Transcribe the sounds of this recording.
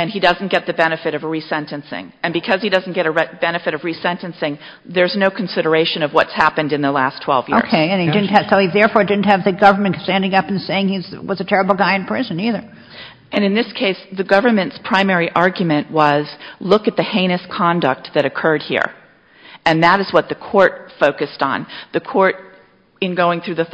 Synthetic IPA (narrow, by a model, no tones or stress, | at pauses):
ɨ̃nidʌzn̩ɡ̥ɛt̪̚ðɨbɛnɨfɨɾʌvɹisɛ̃ntɨ̃nsɪ̰̃ŋɨ̃nbɨkʰʌz̥idʌzn̩ɡ̥ɛɾɨɹɛb̥ɛnɨfɨɾʌvɹisɛ̃ntɨ̃nsɪ̃ŋ | ðə˞znoʊkʰn̩sɪɾə˞eɪʃɨ̃nʌvwʌtshæpɨ̃ndɨ̃nðəlæstʰw̥ɛ̰lˠvjɪoʊɹkʰeɪɨ̃nidɪdⁿn̩t̚hɨ̥soʊiðɛɹfɔɹdɪdⁿn̩thɨvðɨɡʌvə˞mɨ̃nstæ̃ndɪ̃ŋʌpn̩seɪɪ̃ŋizwʌzɨtʰɛɹɨbl̩ˠɡaɪɨ̃npʰɹ̥ɪzɨ̃niðə˞ | ɨ̃nɨ̃nðɪskʰeɪsðɨɡʌvə˞mɨ̃ntspʰɹ̥ãɪ̃mɛɹiʔɑɹɡjɨmɨ̃nʔwʌzlʊkɨt̪̚ðɨhẽɪ̃ñɨskʰɑ̃ndɨk̚t̪̚ðɨɾɨkʰɜ˞d̚hḭɹ | ɨ̃nðəɾɨzwʌt̪̚ðɨkʰɔɹt̚foʊkɨstn̩ðɨkʰɔɹɾ | ɨ̃nɡoʊɪ̃ŋθɹʉðɨ